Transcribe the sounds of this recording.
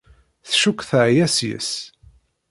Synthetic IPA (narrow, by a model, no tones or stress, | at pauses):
θʃukːθəʕjæsjə̰s